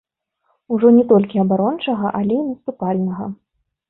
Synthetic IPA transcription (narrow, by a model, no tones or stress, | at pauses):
uʐɔnʲɛt̪ɔlʲkʲiɐbaɾɔnt͡ʂɐɣɐʔalʲɛinɐst̪upalʲnɐɣɐ̰